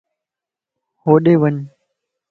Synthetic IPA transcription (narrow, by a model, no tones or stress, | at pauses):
hoːɗeːʋəɲ